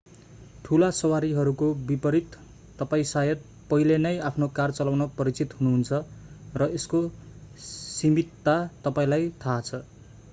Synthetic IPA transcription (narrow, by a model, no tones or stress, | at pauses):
ʈʰulasʌwaɾiɦʌɾukobipʌɾit̪ː | ʌpaĩsajʌt̪̚ | pʌɦilenʌjapʰnokart͡sʌlawnʌpʌɾit͡sit̪ɦunuɦunt͡sʰʌrʌesko | simit̪ːat̪ʌpaĩlajt̪ʰat͡sʰʌ